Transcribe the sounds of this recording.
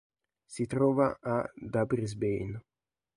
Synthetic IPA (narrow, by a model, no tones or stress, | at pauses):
sit̪ɾɔːva̰ad̪abɾizbejn